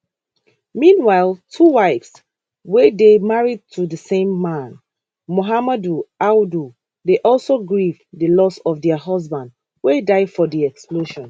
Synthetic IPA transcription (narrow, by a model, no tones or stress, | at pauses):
mĩnwaɪlˠtʰuwaɪfs | wɛdemaɹid̚tʰuðəsẽmːãn | moɦamaduawdu | deʔɔlˠsoɡɹivdəlɔsɔfdɛəɦʌzbãnd | wedaɪdfɔdiɛksploʃɔ̃n